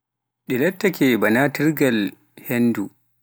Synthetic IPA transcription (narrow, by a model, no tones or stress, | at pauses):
ɗilɐtːakʲɛbɐnatiɾɡal | hɛndu